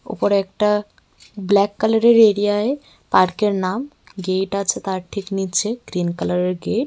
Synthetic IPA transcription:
o̰poɾeɛkʈa | blɛkːalaɾeɾeɾiae | paɾkeɾnam | ɡejʈat͡ɕʰet̪aɾʈʰiknitːɕʰeɡ̥ɾinkalaɾeɾɡeʈ̚

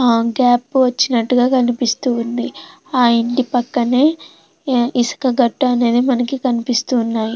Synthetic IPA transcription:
ɡaːpːʋɐt͡ʃːinɐʈːuɡaːkɐnipist̪uːnd̪i | aːiɳʈipɐkːɐne̞ː | ʔisɐ̥kɐɡɐʈːuɐne̞ːd̪imɐnɐkikɐnipist̪uːnːaːji

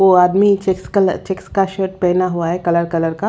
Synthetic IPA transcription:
ʋoaːd̪mit͡ʃeksɐt͡ʃekskaʃəːʈ̚pɛːnaɦuaɦɛkɐləɾkɐləɾka

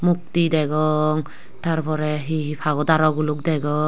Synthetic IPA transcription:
muk̚tidɛɡɔŋ | taɾpʰɔɾɛɦiɦipʰaɡɔdaɾɔɡuluk̚dɛɡɔ

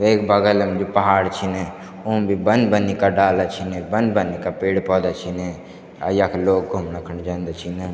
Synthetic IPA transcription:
ʋeːkbəɡəlemd͡ʒopɐɦaːɽt͡ʃʰine | ũbʱibənd̪bənikaɖaːlat͡ʃʰinebənd̪bənikapeːɽpɔːd̪at͡ʃʰine | a̰jakʰloːɡ̚ɡʱumnəkʰənd͡ʒɐnd̪at͡ʃʰine

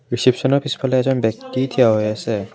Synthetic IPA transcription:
ɹisipsɔnɔpʰispʰɔleɛzɔnbɛk̚tit̪ʰijaɦojasɛ

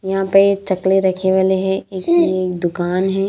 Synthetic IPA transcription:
jɐɦãpɐɾet͡ʃɐkleɾɐkʰeʋaːleɦɛ̃eːklieːk̚d̪ʊkaːnɦɛː

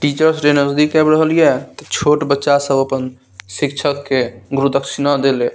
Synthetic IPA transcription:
ʈit͡ʃəɾsɾenəzd̪ikɛbɾəɦəlijɛt̪ɔt͡ʃʰoʈbətːʃasəbəpən | sikt͡ʃʰəkːeɡuɾud̪əkʃinad̪ele

